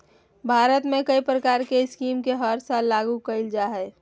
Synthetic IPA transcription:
bʱaːɾət̪mẽkəipɾəkaːɾkeɪskiːmkeɦəɾsalːaːɡukəɪld͡ʒaːɦɛː

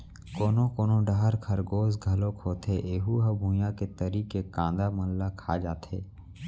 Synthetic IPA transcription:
koːnõkoːnõɖaɦəɾkʰɐɾɡoːzɡʱɐlokʰoːt̪ʰeʔeːɦuɦɐbʱũjaket̪əɾiːkekãːnd̪amɐllakʰad͡ʒaːt̪ʰḛː

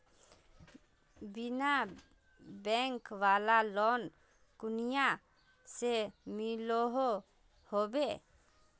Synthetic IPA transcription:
bina | bɛŋkwalalɔn | kʊnija | semiloɦo | hobe

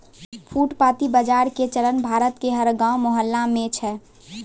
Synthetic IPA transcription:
pʰuːʈpaːt̪ibəd͡ʒaːɾket͡ʃəɾənbʱaːɾət̪keɦəɾɡãːwmɔɦəlːamẽt͡ʃʰɛ

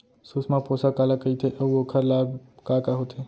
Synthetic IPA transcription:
susmãposakalakəit̪ʰeʔəuokʰəɾlabkakaɦot̪ʰe

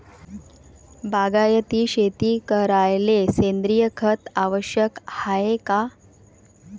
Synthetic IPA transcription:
baɡajət̪iːɕet̪iːkəɾajlesend̪ɾijəkʰət̪aʋəɕjəkhaeka

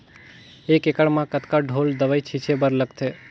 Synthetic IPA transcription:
ekekəɽmãkət̪kaɖʱold̪əʋəjt͡ʃʰit͡ʃʰebəɾləkt̪ʰe

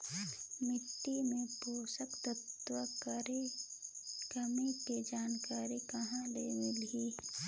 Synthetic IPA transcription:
mɪʈːimẽpoːsəkt̪ət̪wəkɾe | kɐmeked͡ʒaːnkaːɾikɐɦãleːmɪlɦiː

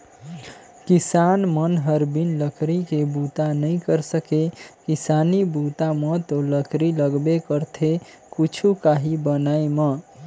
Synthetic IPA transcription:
kisanmənɦəɾbinləkɾikebut̪anəĩkəɾsəkekisanibut̪amət̪oləkɾiləɡbekəɾt̪ʰe | kut͡ʃʰukaɦibənaemə

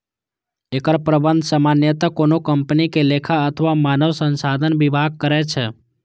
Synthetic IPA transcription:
ekəɾpɾəbə̃nd̪ʱsəmanjət̪akonokəmpnikelekʰaət̪ʰəʋamanəʋsənsad̪ʱənbibʱaɡ̚kəɾɛt͡ʃʰɛ

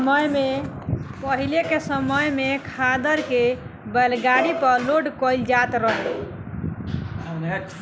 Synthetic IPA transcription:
məjmepəɦilekesəməjmekʰad̪əɾke | bəlɡaɽipəloɖkɔild͡ʒat̪ɾəɦɛ

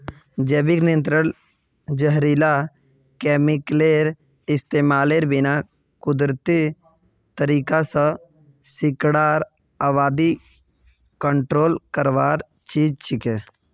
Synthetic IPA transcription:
d͡ʒeːbɪknijənt̪ɾən | d͡ʒəɦɾiːla | keːmɪkleːɾ | ɪst̪eːmaːleːɾbɪna | kʊd̪ɾt̪i | t̪əɾiːkasə | sɪkɽaːɾ | aːʋaːd̪i | kəɳʈɾoːlkəɾʋaːɾ | t͡ʃiːd͡ʒt͡ʃʰɪke

